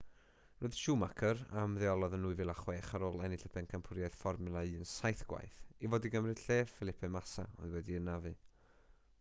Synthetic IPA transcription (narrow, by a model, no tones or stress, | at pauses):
roɨð̥ʃuːmakʰəɾa̰mðɛɔlˠɔðənuːɨvɨlˠaχweːχaɾoːlˠɛniɬəpʰɛnkʰampʰʊɾjajð̥fɔrmɨlˠaɨːənsajθɡ̥wa̰jθivoːdiɡəmrɨd̥ɬeːfɪlˠɪpʰɛmasa̰ɔ̰ðwɛdiənavɨː